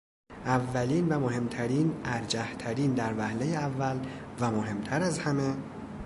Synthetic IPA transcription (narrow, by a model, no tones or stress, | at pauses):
ʔævːæliːnvæmohe̞mt̪ʰæɾiːnæɾd͡ʒæht̪ʰæɾiːnd̪æɾvæhle̞jeævːæl | væmoɦe̞mt̪ʰæɾæzhæme